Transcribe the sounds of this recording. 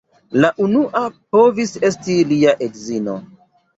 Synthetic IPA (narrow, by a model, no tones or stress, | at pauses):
laʔunuʔap̚o̞vise̞stiliaʔekzino̞̰